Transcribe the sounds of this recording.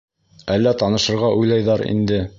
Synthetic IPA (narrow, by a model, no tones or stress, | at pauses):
ælːæt̪ɑnɤ̆ʃɤ̆ɾʁɑʔujlˠɑjðɑɾḭnd̪ɘ